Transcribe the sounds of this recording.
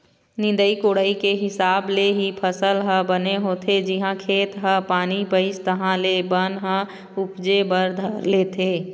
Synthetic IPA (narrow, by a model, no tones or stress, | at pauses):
nɪ̃nd̪əikoːɽəikeɦɪsaːbleɦipʰəsəlɦəbəneɦoːt̪ʰed͡ʒɪɦãkʰeːt̪ɦəpaːnipəɪst̪əɦãlebənɦə̃ | ʊpd͡ʒebəɾd̪ʱleːt̪ʰeː